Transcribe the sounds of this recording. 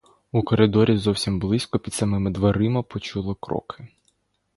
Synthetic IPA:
ukɔɾɪd̪ɔɾʲizɔwsʲimblˠɪsʲkɔpʲid̪sɐmɪmɪd̪ʋɐɾɪmɐpɔt͡ʃulˠɔkɾɔ̰kʰɪ

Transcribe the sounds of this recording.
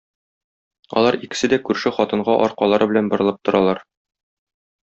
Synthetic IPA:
ɒ̰lˠɑɾikɘ̥̆sɘd̪ækʉɾʃɘχɒt̪ɤ̆ɴɢɑʔɒɾqɑlˠɑɾɤbɘ̆lænbŏɾɤ̆lˠɤp̚t̪ŏɾɑlˠɑɾ

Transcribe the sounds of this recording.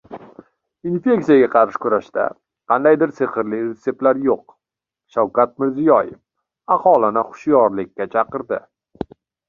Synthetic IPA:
infe̞k̚t̪sijaɡʲaqʰɑɾɪʃkʊɾaʃt̪a̰ | qʰɑnd̪ajd̪ɪɾseχɨɾliɾet̪se̞p̚t̪laɾjoq̚ | ʃawkat̪̚mɪɾzɪjɒjɪf | ɑχɒlˠɪnɪχʊ̥ʃjɒɾlɪkʲːat͡ʃʰɑqɨɾd̪ɪ

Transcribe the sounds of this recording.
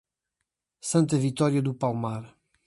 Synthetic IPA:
sɐ̃nt̪ɐvit̪ɔɾjɐd̪upalˠmaɾ

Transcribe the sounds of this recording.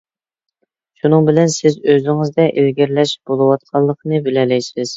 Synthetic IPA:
ʃunɨŋbɪlɛnsɪzøzɪŋɪzd̪ɛʔelɡʲɛɾlɛʃb̥olˠɨwɑt̪̚qʰɑlˠːəqʰənɨbɪlɛlɛjsɪz̥

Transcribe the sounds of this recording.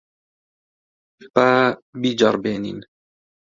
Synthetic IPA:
pabid͡ʒɑɾˤbeːnḭn

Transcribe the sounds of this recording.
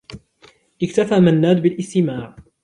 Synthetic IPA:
ʔɪkt̪afaːmanːaːd̪bɪlʔɪst̪ɪmaːʕ

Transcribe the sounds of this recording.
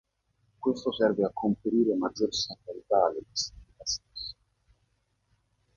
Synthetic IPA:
kwest̪osɛrveakʰːompeɾiːɾemad̪zːoɾsant̪alit̪aaled̪isi̥milit̪ast̪esːḁ

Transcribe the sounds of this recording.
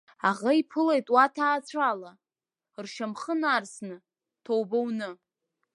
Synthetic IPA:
aʁaipʰɨlejtʼwatʰaːt͡sʷʰala | rʃamχənaːrsnɨ | tʰowbownɨ

